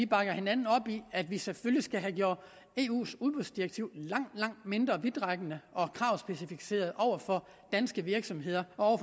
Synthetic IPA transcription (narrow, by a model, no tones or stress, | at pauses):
ʋib̥ɑ̈ɡ̥ɐhenænn̩ɒ̽b̥iæd̥ʋiseføljisɡ̥æɦæɡ̥jo̝ɐ̰d̥ˠ | e̝ːṵːsuðˠb̥oðˠsd̥iʁeɡ̚t͡sʰiʊlɑ̈ŋ̰d̥lɑ̈ŋ̰d̥me̝nd̥ʁɐʋid̥ʁɑɡ̥ənəʔɒ̽kʰʁɑ̈ʊsb̥esifi̥se̝̰ːɐð̞ˠʔɒʊ̰ɐfɒ̽ | d̥ænsɡ̥əʋiɐɡ̥sɒ̽mɦe̝ð̞̰ˠɐʔɒɒʊɐf